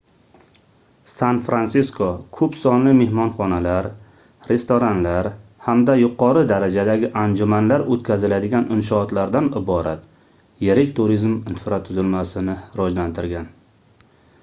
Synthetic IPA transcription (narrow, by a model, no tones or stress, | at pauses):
sanfɾansɪskʰokʰɵpsɒnlɪme̞hmɒnχɒnalaɾ | ɾe̞st̪oɾanlaɾhamd̪ajʊqʰɒɾɪd̪aɾad͡ʒad̪aɡʲɪʔand͡ʒʊmanlaɾot̪kʲʰazɪlad̪ɪɡʲanɪnʃɒːt̪laɾd̪anɪbɒɾat̪ | jeɾɪkʲt̪ʰʊɾizmɪnfɪɾat̪ʰʊzɪlmasɪnɪɾɒd͡ʒlant̪ʰɪɾɡʲan